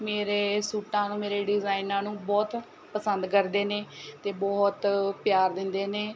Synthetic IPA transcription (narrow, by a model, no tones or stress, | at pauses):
meːɾeːsuːʈãːnũːmeːɾeːɖɪzaːinãːnũːbɔːt̪ | pəsənd̪kəɾd̪eːneːt̪eːbɔːt̪pjaːɾd̪ɪnd̪eːneː